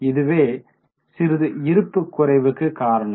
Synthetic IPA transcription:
ɪðɯʋeː | sɪɾɯðɯɪɾɯpːɯkːʊɾɐɪʋɯkːɯkaːɾɐɳɐm

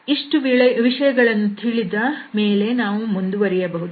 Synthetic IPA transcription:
iʂʈuʋɭʋiʂɐjɐɡɐɭɐnːut̪ʰiɭid̪ɐme̞ːle̞naːʋumund̪uʋɐɾijɐbɐɦud̪

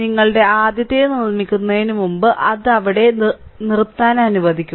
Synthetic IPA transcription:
iŋːɐɭɨɽe̞aːd̪jɐt̪ːejnuɭmikʲːunːɐðinumumbɨʔɐðɐʋiɽe̞nirt̪ːaːnɐnuʋɐd̪ʱikʲːu

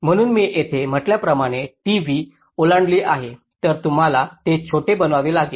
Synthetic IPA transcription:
m̤əɽ̃uːnmiːʔet̪ʰem̤əʈljapɾəmaɽ̃eʈiʋi | olaɳɖliːʔaɦe | t̪əɾt̪um̤alat̪et͡ɕʰoʈebənʋaʋeːlaɡe

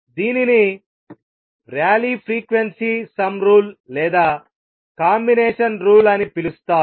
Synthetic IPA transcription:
d̪iːnini | ɾjaːliːpʰɾiːkʋensiːsɐmɾuːllɛːd̪aː | kaːmbineːʂɐnɾuːlɐnipilust̪aː

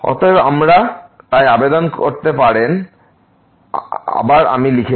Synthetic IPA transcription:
ɔ̰t̪oa̰mɾa | t̪ajabed̪onkoɾt̪epaɾen | a̰baɾa̰milikʰe

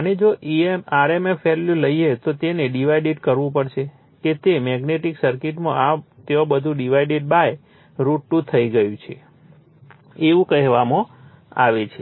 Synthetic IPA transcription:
əned͡ʒoʔiemaɾemefeluləiet̪ot̪eneɖiʋaiɖiʈkəɾʋũpəɽʃe | ket̪emɛɡneʈiksəɾkiʈmãat̪eobəd̪ʱũɖiʋaiɖiʈ̚baj | ɾuʈːut̪ʰəiɡəjũt͡ʃʰe | eʋũkəɦʋamõ | a̰ʋet͡ʃʰe

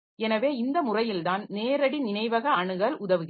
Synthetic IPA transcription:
ɛnɐʋeːɪnd̪ɐmʊrɐjɪlt̪aːnneːɾɐɽinɪnɐɪʋɐɣɐɐɳɯɣɐɭʊðɐʋɯɣ

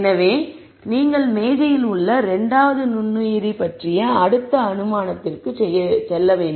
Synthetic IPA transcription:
nɐʋeː | niːŋɡɐɭmeːɣɐjɪlʊɭːɐɾɛɳɖaːʋɐðɯnʊnːɯjɪɾipɐʈrɪjɐɐɽɯt̪ːɐɐnɯmaːnɐt̪ːɪrkɯt͡ʃɛjːɐsɛlːɐʋeːɳɖ

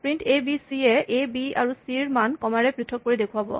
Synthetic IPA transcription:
pɹintʰebisiɛʔebia̰ɹusiɹmankɔmaɹɛpɹitʰːɔk̚ːoɹidekʰuwabɔ̰

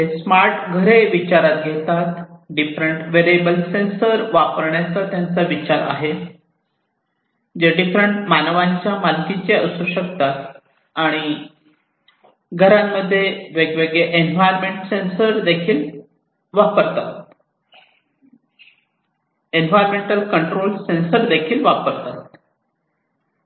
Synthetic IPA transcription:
esmaɾʈɡʱəɾeʋit͡ɕaɾat̪̚ɡʱet̪at̪ɖifɾəɳʈʋeɾebəlsensəɾʋapəɾɳjat͡sat̪jant͡saʋit͡ɕaɾa̰ɦe | d͡ʑeɖifɾəɳʈmanəʋaɲt͡ɕjamalkit͡seəsuɕəkt̪at̪ | aɽ̃i | ɡʱəɾamːəd̪ʱːjeʋeɡʋeɡɭeʔenʋajɾmeɳʈsensəɾd̪ekʰiːl | ʋapəɾt̪at̪ | enʋajɾmeɳʈəlkəɳʈɾolsensəɾd̪ekʰiːlʋapəɾt̪at̪

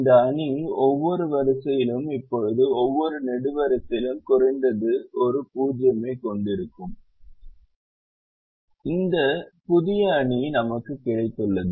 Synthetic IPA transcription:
nd̪ɐɐɳiɔʋːɔɾɯʋɐɾɐsɐjɪlɯmɪpːɔɻɯðɯɔʋːɔɾɯnɛɽɯʋɐɾɐsɪlɯmkʊrɐɪnd̪ɐðɯɔɾɯpuːd͡ʒjɐmɐɪkːɔɳɖɪɾɯkːɯm | ɪnd̪ɐpʊðɪjɐːɳinɐmɐkːɯkːɪɻɐɪt̪ːɯɭːɐðɯ

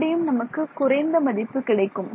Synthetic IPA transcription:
ɽɪjɯmnɐmɐkːɯkʊrɐɪnd̪ɐmɐðɪpːɯkɪɽɐɪkːɯm

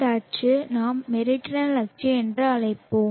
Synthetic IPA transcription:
aːʈt͡ʃɯnaːmːɛɾɪʈːɪnɐnlɐk̚t͡ʃːiɛndrɯɐɭɐɪpːoːm

